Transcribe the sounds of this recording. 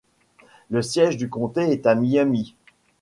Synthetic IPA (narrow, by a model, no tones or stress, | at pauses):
ləsjɛʒd̪ykɔ̃t̪eɛt̪amijami